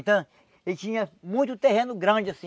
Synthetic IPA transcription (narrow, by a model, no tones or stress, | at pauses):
t̪ɐ̃ | elt͡ʃĩɲɐmũj̃t̪ʊt̪eɦẽnʊɡɾɐ̃d͡ʒɪasĩ